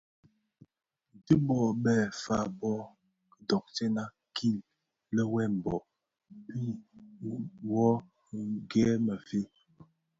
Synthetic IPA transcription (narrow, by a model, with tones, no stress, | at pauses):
di˦bɔ˨ɓɛ˨fa˨bɔ˦˨ | dɔ˨k̚t͡ʃɛ˦na˦ | kʰi˦˨l | lə˦wɛ˦˨m̩˨bɔ˨ | pi˦ | wɔ˦ | ɡɛ˦mə˨fe˦